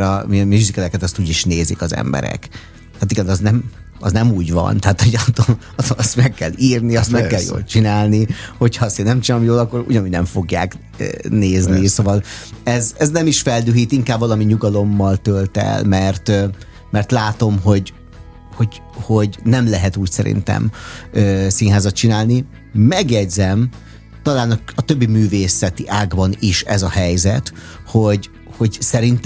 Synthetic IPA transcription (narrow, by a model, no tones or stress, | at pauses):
ɾɒmimyzikɛlɛkɛt̪ɒst̪uːɟiʃneːziːkɒzɛ̰mbɛ̰ɾɛ̰k | t̪ɛːt̪iɡɛnɒznɛm | ɒ̰znɛmuːɟvɒ̰nt̪ɛɦaːt̪hoɟt̪o | ɒt̪oɒst̪mɛkːɛliːrniɒst̪mɛkːɛljo̰ːlt͡ʃinaːlniho̞cʰhɒst̪eːnɛmt͡ʃinalomjoːlɒkːoɾṵɟɒnuːɟnɛɱfo̞ɡja̰ːkː | neːznisoːvɒlɛzɛznɛmiʃfɛld̪øːɦiːt̪iŋkaːbvɒlɒmiɲuɡɒlo̞mːɒlt̪ølt̪ɛ̰lmɛrt̪ | mɛrt̪laːt̪o̞mɦo̞ɟ | ho̞ɟ | ho̞ɟnɛmlɛɦɛt̪uːcsɛɾḭnt̪ɛ̰møːsiːnɦaːzɒt̪t͡ʃinaːlni | mɛɡjɛɟzɛm | t̪ɒlaːnɒɒt̪ø̞bːimyːveːsɛt̪iʔaːɡbɒniʃɛzɒhɛjzɛt̪ | ho̞ɟ | ho̞ɟsɛɾint̪